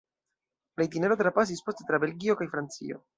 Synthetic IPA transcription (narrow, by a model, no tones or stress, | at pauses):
lajt̬ineɾo̞tɾapas̬ispo̞ste̞tɾabe̞lɡio̞kajfɾant͡sḭo̰